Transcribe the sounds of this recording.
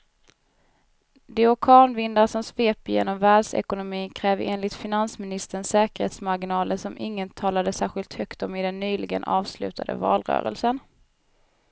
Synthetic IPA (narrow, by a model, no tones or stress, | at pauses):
d̪ɪɔkʰɑːnvɪnd̪aʂɔmsveːpjḛːnɔmvæːɖsɛ̰kʊnʊmiːnkʰɾɛːveːnlɪt̪fɪnansmɪnɪst̪ənsɛːkəɾhḛːt̪smaɾɡɪnɑːləsɔmʔɪŋːənt̪ʰɑːlad̪əsæːɾɧɪlt̪hœkt̪ɔmɪd̪ɛnːyːlɪɡə̰nʔɑːvslʉ̟ːt̪ʰad̪ə̰vɑ̰ːlɾœ̰ːɾə̰lsən